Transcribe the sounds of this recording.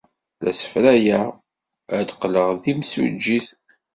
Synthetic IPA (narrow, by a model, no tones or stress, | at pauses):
læ̰sə̥fɾæjæ | əd̪qləʁðimsṵd͡ʒːiθ